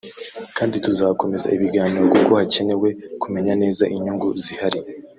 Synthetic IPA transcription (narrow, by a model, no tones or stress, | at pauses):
kaːndituzako̞me̞za̰ʔiβiɡaːniɾo̞kuko̞hace̞ne̞we̞kume̞ɲane̞ːzaʔiɲuŋɡuzihaɾi